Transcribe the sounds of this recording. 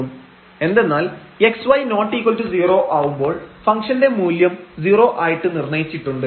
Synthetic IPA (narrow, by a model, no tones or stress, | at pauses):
um | e̞nd̪e̞nːaːl | e̞ksʋɐjno̞ːʈːiːkːoltɨd͡ʑiːro̞ːʔaːʋumbo̞ːɭfɐŋkʂɐnde̞muːljɐmd͡ʑiːro̞ːʔaːjiʈːɨnirnɐjit͡ɕːiʈːuɳɖɨ